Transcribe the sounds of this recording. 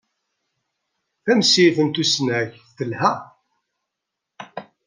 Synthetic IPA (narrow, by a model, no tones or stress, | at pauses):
θæmsiθənt̪usənæçθθəlhæ